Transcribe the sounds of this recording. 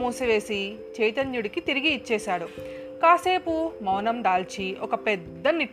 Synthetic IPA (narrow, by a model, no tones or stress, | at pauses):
muːsiʋe̞ːsi | t͡ʃɛjt̪ɐɲjuɽikit̪iɾiɡiːt͡ʃːɛːʃaːɽu | kaːse̞ːpumɐwnɐmd̪aːlt͡ʃiɔkɐpɛd̪ːɐniʈ